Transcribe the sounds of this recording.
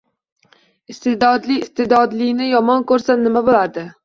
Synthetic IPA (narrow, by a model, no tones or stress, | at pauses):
ɪst̪ed̪ɒd̪lɪɪst̪ed̪ɒd̪lɪnɪjɒmɒnkɵɾsanɪmabolad̪ɪ